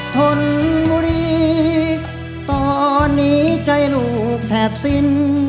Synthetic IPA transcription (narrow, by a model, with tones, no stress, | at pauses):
t̪ʰo˧nbuː˧ɾiː˧ | t̪ɔː˧nːiː˦˥t͡ɕa˧jluː˨˩k̚t̪ʰɛː˨˩p̚si˧n